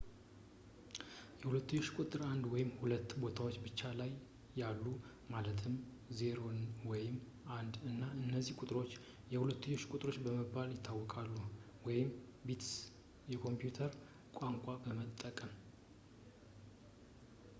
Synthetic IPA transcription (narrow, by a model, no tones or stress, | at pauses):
jɛhulət̪ːɨɲːoʃkʼut̪ʼɨɾand̪wɔjɪmhulət̪ːbo̞t̪ʰawot͡ʃːbɨt͡ʃːalajː | alːu | malət̪ʰɨm | zeɾo̞nwɔjɪm | ʔand̪ɨnːaɨnːəzːihkʼʊt̪ʼɾo̞t͡ʃː | jɛhulət̪ːɨɲːoʃkʼʊt̪ʼɾo̞t͡ʃːbəməbːaljɪt̪ʰːawːɔkʼalːu | wɔjɪmbit̪s | jɛkʰo̞mpjut̪ʰəɾ | kʷʼaŋkʷʼabəmət̪ʼːəkʼəm